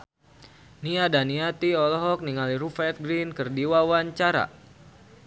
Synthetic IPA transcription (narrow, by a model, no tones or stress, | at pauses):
niadaniat̪iɔlɔɦɔk̚niŋaliɾufɛt̪̚ɡɾinkərdiwawaɲt͡ʃaɾa̰